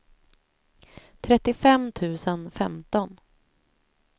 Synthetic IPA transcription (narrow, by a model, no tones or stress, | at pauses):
t̪ʰɾɛt̪ːɪfɛmt̪ʰʉ̟ːsənfɛmt̪ɔn